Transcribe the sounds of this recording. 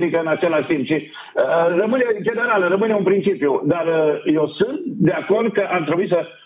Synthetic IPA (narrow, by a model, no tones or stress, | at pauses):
d̪ikəɨnat͡ʃelaʃt̪impʃi | ərəmɨnet͡ʃed̪əɾaləɾəmɨneunpɾint͡ʃipijud̪arjewsɨnt̪d̪eako̞rd̪̚kəʔamt̪ɾebuisə